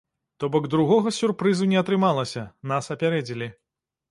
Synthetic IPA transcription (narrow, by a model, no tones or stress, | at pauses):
t̪ɔbɔɡd̪ɾuɣɔɣɐsʲurpɾɨzunʲɛɐt̪ɾɨmalˠɐsʲɐnasɐpʲaɾɛd͡zʲilʲi